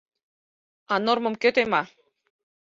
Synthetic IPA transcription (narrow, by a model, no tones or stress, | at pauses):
anoɾmɤ̆mkøt̪ema